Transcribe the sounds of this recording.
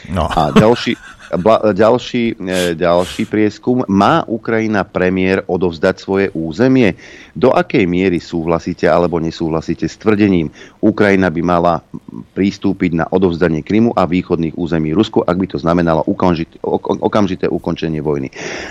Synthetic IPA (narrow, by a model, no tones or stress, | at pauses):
aɟalʃiblaɟalʃiːɟalʃiːpɾɪɛskumːaːʔukɾajinapɾɛmɪɛɾɔd̪ɔvzd̪acsʋɔjɛʔuːzɛmɪɛ | d̪ɔʔakɛjmɪɛɾisuːɦlasiːcɛalɛbɔɲɛsuːɦlasiːcɛst̪ʋr̩ɟɛɲiːmukɾajinabimalapɾist̪uːpiɟna̰ʔɔd̪ɔvzd̪aɲɪɛkɾimuʔaʋiːxɔd̪niːɣuːzɛmiːɾuskuʔaɡ̚bit̪ɔznamɛnalɔ̰ʔukniʔɔkamʒit̪ɛːʔukɔnt͡ʃɛɲɪɛʋɔjnḭ